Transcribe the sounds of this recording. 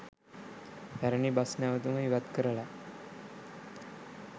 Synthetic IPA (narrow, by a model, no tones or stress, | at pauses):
t̪aɾəɳibasnjaʋət̪uməiʋad̪kəɾəla